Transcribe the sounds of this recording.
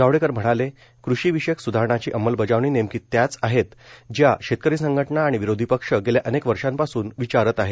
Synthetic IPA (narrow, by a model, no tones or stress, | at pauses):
aʋɽekəɾm̤əɽ̃ale | kɾuɕiːʋiɕeksud̪ʱaɾəɳat͡ɕiːʔəmːəlbəd͡zaʋɳ̃iːnemkiːt̪ːjat͡saɦet̪d͡ʑjaɕet̪̚kəɾiːsəŋɡʱəʈɳaːɽ̃iʋiɾod̪ʱipəkʂəɡeljaʔənekʋəɾʂãmpasuːnʋit͡ɕaɾət̪aɦe